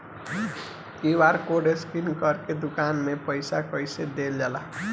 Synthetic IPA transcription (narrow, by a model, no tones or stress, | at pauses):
kibaɾkoɖeskinkʌɾked̪ukanmepəjsakəjsed̪eld͡ʒala